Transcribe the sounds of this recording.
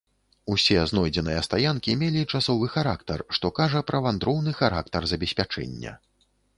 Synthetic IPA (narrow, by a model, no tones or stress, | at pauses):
usʲɛznɔjd͡zʲɛnɨjɐst̪ajankʲimʲelʲit͡ʂasɔvɨxaɾakt̪ɐrʂt̪ɔkaʐɐpɾɐvand̪ɾɔwnɨxaɾa̰kt̪ɐrzɐbʲɛsʲpʲat͡ʂɛ̰nʲːɐ̰